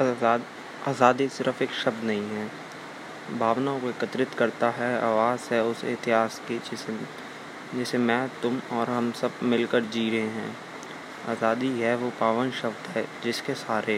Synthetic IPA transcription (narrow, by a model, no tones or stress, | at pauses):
aːzaːd̪isɪɾəfeːkʃɐb̚d̪nɐɦĩɦɛː | bʱaːʋnakoɪkət̪ɾɪt̪kɐɾt̪aɦɛa̰ːʋaːzɦɛʊsḛɦt̪ɪɦaːskid͡ʒɪs | d͡ʒɛːsemɛ̃ːt̪ʊmɔːɾɦɐmsɐb̚mɪlkəɾd͡ʒiːɾəɦeɦɛ̃ː | a̰ːzaːd̪iɦɛʋopaːʋənʃɐbd̪ɦɛd͡ʒɪskesaːɾe